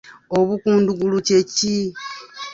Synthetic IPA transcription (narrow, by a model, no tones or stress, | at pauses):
o̞βukuːnduɡuluce̞ci